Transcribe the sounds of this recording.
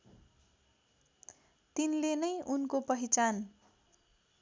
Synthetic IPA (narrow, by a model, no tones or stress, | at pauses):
t̪inlenʌjʔunkopʌɦit͡san